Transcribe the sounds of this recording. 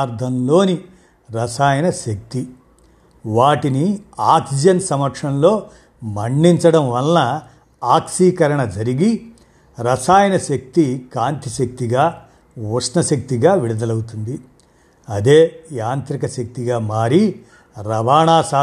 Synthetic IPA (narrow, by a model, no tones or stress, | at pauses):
ɾd̪ʱɐmlo̞ːni | ɾɐsaːjɐnɐʃɐk̚t̪i | ʋaːʈiniaːksid͡ʒɐnsɐmɐkʂɐmlo̞ː | mɐɳɖiɲt͡ʃɐɽɐmʋɐlnɐ | aːkʂiːkɐɾɐɳɐd͡ʒɐɾiɡi | ɾɐsaːjɐnɐʃɐk̚t̪ikaːnt̪iʃɐk̚t̪iɡaː | ʋusnɐʃɐk̚t̪iɡaːʋiɽud̪ɐlɐwut̪und̪i | ɐd̪e̞ːjaːnt̪ɾikɐʃɐk̚t̪iɡaːmaːɾi | ɾɐbaːɳaːsaː